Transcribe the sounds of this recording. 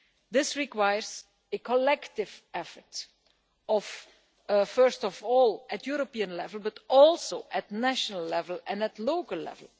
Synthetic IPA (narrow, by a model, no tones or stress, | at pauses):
d̪ɪsɹikwajəɹz | əkʰɔlɛktɪvɛfət | ɔf | fɜ˞stɔvɔːlˠætʰjuɹopiə̃nlɛvəlˠbʌtɔlˠsoʊʔætnæʃnəlːɛvəl̩ˠɛ̃nætloʊkəlˠːɛ̰vəl̩ˠ